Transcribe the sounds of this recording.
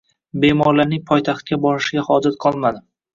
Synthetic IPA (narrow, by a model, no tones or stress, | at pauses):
be̞mɒɾlaɾnɪŋpʰɒjt̪ʰaχt̪̚kʲabɒɾɪʃɪɡʲahɒd͡ʒat̪̚qʰɒlˠmad̪ɪ